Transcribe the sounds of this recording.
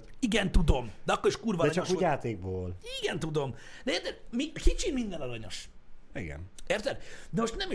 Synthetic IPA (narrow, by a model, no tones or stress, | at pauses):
iɡɛnt̪ud̪o̞md̪ɛɒkːoeʃkuːrvɒɛɲt͡ʃɒoujaːt̪eːɡ̚boːliɡɛnt̪ud̪o̞md̪ɛɛːrt̪ɛɾmikit͡ʃimind̪ɛnɔɾɒɲo̞̰ʃḭɡɛ̰nɛrt̪ɛɾd̪ɛmoʃt̪nɛmi